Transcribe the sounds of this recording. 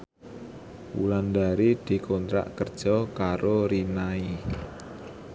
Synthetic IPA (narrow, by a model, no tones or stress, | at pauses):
wṵland̪aɾid̪̥i̤kʰont̪ɾa̰ʔkərd̥ʒ̥ɔkaɾoɾinai